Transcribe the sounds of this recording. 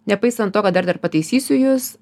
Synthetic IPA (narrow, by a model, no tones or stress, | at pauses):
nʲɛpɐɪsɐnt̪oːkɐt̪d̪ɐɾd̪ɐɾpɐt̪ɐɪsʲiːsʲʊjʊs